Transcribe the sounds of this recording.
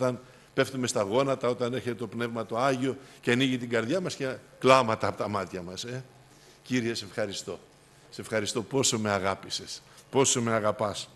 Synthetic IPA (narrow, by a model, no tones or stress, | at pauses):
t̪ɐn | pe̞ft̪ume̞st̪ɐɣo̞nɐt̪ɐo̞t̪ɐneçe̞t̪et̪o̞pne̞vmɐt̪o̞ɐʝio̞ceɐniʝit̪iɡɐɾðʝɐmɐsce | klɐmɐt̪ɐːpot̪ɐmɐt̪çɐmɐse̞ | ciɾiese̞fxɐɾist̪o̞ | se̞fxɐɾist̪o̞po̞so̞me̞ɐɣɐpise̞spo̞so̞me̞ɐɣɐpɐs